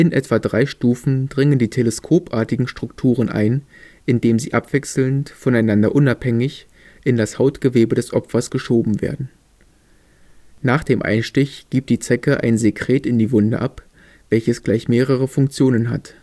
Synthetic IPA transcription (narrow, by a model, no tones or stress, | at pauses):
ʔɪnʔɛtv̥adʁaɪʃtuːfn̩d̥ʁɪŋəndiːtʰeləskʰoːpʔaːɐtɪɡŋ̩ʃtʁ̥ʊktʰuːʁ̞ənʔa̰ɪn | ʔɪndeːmziːʔapv̥ɛksl̩ntfɔnaɪnandɐ̰ʔʊnaphɛŋɪç | ʔɪndashaʊtɡ̥əveːbədɛsʔɔpfɐsɡ̥əʃoːbm̩vḛːɐdn̩ | naːχd̥eːmʔa̰ɪnʃtɪçɡ̥iːp̚td̥iːt͡sɛkəʔa̰ɪnzekʁ̥eːtɪndiːvʊndə̰ʔa̰p | v̥ɛlçəsɡ̥laɪçmeːʁ̞əʁ̞əfʊŋk̚t͡sjoːnənɦa̰t